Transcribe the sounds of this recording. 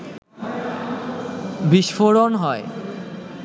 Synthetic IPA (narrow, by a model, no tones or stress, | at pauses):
biʃfoɾonɦɔe